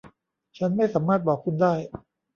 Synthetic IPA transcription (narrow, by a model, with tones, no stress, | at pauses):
t͡ɕʰa˦˥nma˥˩jsaː˩˦maː˥˩t̪̚bɔː˨˩kʰːu˧ndaː˥˩j